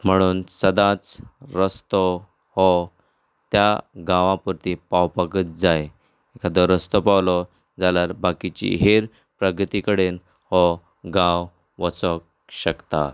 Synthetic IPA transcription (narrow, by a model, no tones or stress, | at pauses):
m̤əɽ̃uːnsəd̪ãt͡sɾəst̪ɔ | hɔ | t̪jaɡãʋãpuɾt̪ipawpəkət̪̚d͡zaj | ekʰad̪ɔɾəst̪ɔpawlɔ | d͡zalaɾbakit͡ɕḭɦeɾ | pɾəɡt̪ikəɽen | hɔ | ɡãw | ʋət͡sɔk̚ | ɕəkt̪a̰